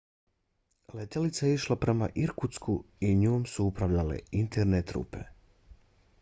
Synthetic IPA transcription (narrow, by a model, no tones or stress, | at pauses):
let̪elit̪saeiʃlˠapɾe̞ma̰ʔiɾkut̪sku | iɲuːmsuupɾaʋʎale̞̰int̪ʰeɾnet̪ɾṵːpe̞̰